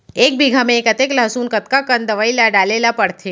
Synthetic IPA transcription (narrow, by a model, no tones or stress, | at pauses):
eːk̚biɡʱamẽːkət̪eklasuːnkət̪kakənd̪əʋailaɖalelapəɽt̪ʰe